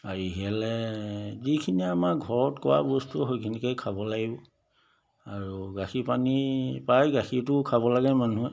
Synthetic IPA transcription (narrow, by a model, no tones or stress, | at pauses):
aɹiɦɛlɛzikʰiniamakɡʱɔɹɔtkɔwa̰bɔstuɦojkʰinikɔjkʰabɔlaɡibɔ | aɹuɡaxipanipajɡaxitʊkʰaβɔlaɡɛmanuɛ